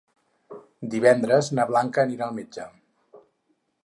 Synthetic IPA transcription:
d̪iβɛnd̪ɾəznaβlaŋkəːniɾaəlˠmed͡ʒə

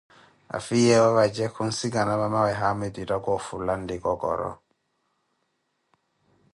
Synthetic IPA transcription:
a̰fijɛwɔβad͡ʒɛkʰun̩siɡanamamawɛɦamediɾaɡɔfulandɪɡɔɡɔ̰ɾɔ̰

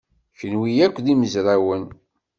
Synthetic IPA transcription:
çənwijækʷːðiməzɾawən

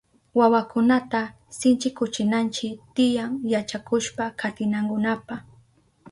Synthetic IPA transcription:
wawakʊnat̪a | sɪnt͡ʃɪkʊt͡ʃɪnant͡ʃɪt̪ɪjaŋjat͡ʃakʊʃpakʰat̪ɪnaŋkʊnapa

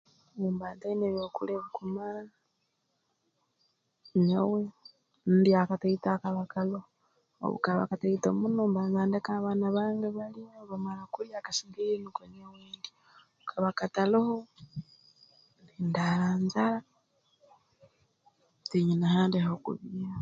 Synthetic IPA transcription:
umbaːntaineβokṵleβukumaɾa | ɲowe | n̩diakataitakaβakaloho̰ | βṵkaβa̰kataitomunoːmbanzaːndekaβanaβaːŋɡeβalijoβamalakuɾjakasiŋɡiinikoɲeweːndi | ukʰaβakataloho | ndindaɾaːnzaɾa | tiɲinahaːndehokṵβia

